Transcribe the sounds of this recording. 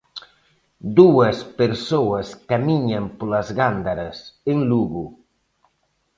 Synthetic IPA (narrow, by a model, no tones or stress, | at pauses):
d̪uəspeɾsoəskamiɲampolazɣand̪aɾaseŋluɣu